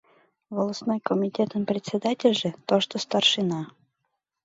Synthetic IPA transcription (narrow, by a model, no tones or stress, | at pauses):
volˠəsnojkəmʲɪtʲet̪əmpɾʲɪt̪ʲsʲɪd̪atʲɪlʲʐɨt̪oʂt̪ost̪arʂɨna